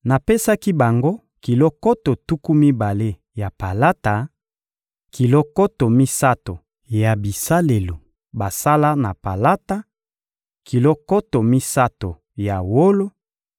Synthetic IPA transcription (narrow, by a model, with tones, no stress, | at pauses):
na˨pe˦sa˦ki˦ba˨ŋɡo˦ | ki˨lo˦ko˦to˨tu˦ku˦mi˦ba˨le˦ | ja˨pa˨la˦ta˨ | ki˨lo˦ko˦to˨mi˦sa˦to˨ | ja˨bi˨sa˦le˨lo˨ | ba˨sa˦la˦na˨pa˨la˦ta˦ | ki˨lo˦ko˦to˨mi˦sa˦to˨ | ja˨wo˦lo˦